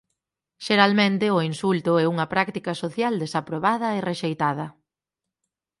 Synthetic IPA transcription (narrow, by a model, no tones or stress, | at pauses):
ʃeɾalmẽnt̪ɪoinsult̪ʊɛuŋɐpɾakt̪ikɐsoθjald̪esapɾoβað̞ɐereʃejt̪að̞ɐ